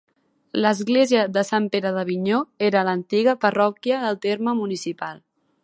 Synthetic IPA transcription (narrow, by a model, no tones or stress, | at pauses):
ləzɣleziəðəsampeɾəðəβiɲoeɾələnt̪iɣəpərɔkjəðəlˠt̪eɾməmunisipalˠ